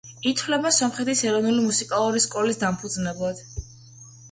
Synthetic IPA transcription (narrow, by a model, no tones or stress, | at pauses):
it̪ʰwlɛbasɔmχɛt̪ʰisɛɾɔvnulimusikʼalˠuɾiskʼɔlisd̪ampʰud̪znɛblˠad̪̥